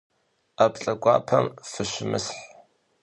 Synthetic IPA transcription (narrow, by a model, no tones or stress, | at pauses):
apɬʼɐɡʷʼɑ̰ːpʰɐmfɨɕɪmɨsħ